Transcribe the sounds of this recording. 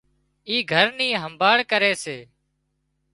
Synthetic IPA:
iːɡʱəɾniːɦəmbaːɽkəɾeːseː

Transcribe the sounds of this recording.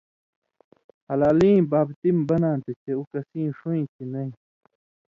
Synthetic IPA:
hɐlaːlĩːbaːbt̪imbɐnãːnt̪it͡ɕeukɐsĩːʂuĩt͡ɕʰinɐĩ

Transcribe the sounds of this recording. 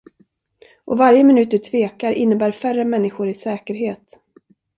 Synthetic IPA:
ʔɔ̰vaɾjəmɪnʉ̟ːt̪əʈʰveːkaɾʔɪnːəbæːɾfœrəmɛnːɪɧʊɾɪsɛːkəɾɦeːt̪

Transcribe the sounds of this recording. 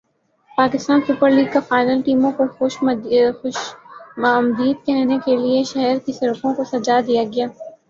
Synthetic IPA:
paːkɪst̪aːnsʊpəɾliːɡkafaːɪnəlʈiːmõkoxʊʃʊʃ | md̪iːd̪̚kɛɦnekelieʃɐɦɛɾkisɐɾʊkõkosɐd͡ʒaːd̪ijaɡɪjaː

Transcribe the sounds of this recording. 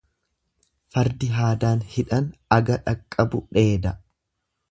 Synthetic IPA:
fɐɾd̪ɪɦaːd̪aːnhɪᶑɐnɐɡɐᶑɐkʼːɐbʊᶑe̞ːd̪ɐ

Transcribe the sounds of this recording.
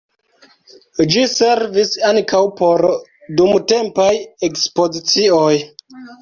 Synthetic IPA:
d͡ʒise̞ɾvisaŋkʰawpo̞ɾ | dumte̞mpajekspo̞zit͡sioj

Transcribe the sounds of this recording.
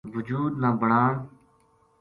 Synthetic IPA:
ʋʊd͡ʒuːd̪naːbəɳaːɳ

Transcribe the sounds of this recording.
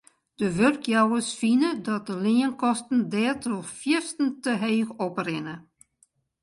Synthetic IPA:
d̥əʋørkjawəsfinədɔt̚dəlɪənkɔstn̩dɛːtɔxfjɪstən̩təɦeːxɔprɪnə

